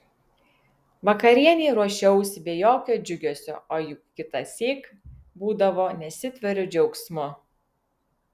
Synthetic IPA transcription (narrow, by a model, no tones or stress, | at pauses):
ʋɐkɐɾʲiɛnʲeːɾuɔʃʲɛʊsʲbʲeːjoːkʲoːd͡ʒʲʊɡʲoːsʲo̰ːoːjʊkkʲɪt̪ɐsʲeːk | buːd̪ɐʋoːnʲɛsʲɪt̪ʲʋʲɛɾʲʊd͡ʒʲɛʊksʲmʊ